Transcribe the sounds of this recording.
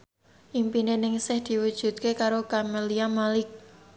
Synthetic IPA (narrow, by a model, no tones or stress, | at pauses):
ʔimpinenɪŋsɪhd̪̥i̤wud̥ʒ̥ṳt̪̚kekaɾokameliamalɪk̚